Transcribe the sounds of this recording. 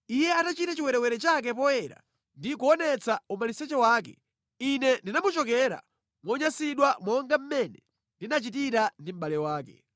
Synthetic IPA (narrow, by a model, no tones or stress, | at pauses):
ijɛatat͡ʃitat͡ʃiwɛɾɛwɛɾɛt͡ʃak̬ɛp̬ɔjɛɾa̰ | ndikuɔnɛt͡saumalisɛt͡ʃɛwaːk̬ɛ̰ | inɛndinamut͡ʃɔkɛɾa̰ | mwɔɲasiɗwamɔŋɡam̩mɛnɛ | ndinat͡ʃitiɾandim̩ɓalɛwaːkɛ̰